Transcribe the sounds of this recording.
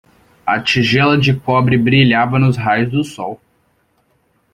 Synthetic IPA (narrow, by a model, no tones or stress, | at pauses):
ɐ̰t͡ʃiʒɛlɐd͡ʒɪkɔbɾɪbɾiʎavɐnʊzɦajʊzd̪ʊsɔw